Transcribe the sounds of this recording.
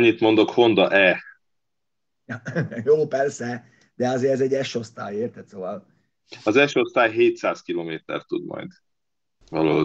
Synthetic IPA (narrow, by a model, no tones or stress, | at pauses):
ɲːit̪mo̞nd̪o̞kho̞nd̪ɒʔɛ | joːpɛrsɛ | d̪̥ɛɒzeːɾɛzɛɟːɛʃo̞st̪a̰ːjeːrt̪ɛt̪soːvɒl | ɒzɛʃo̞st̪aːjɦeːt̪saːskiloːmeːt̪ɛ̰rt̪ud̪mɒ̰jd̪ | vɒloː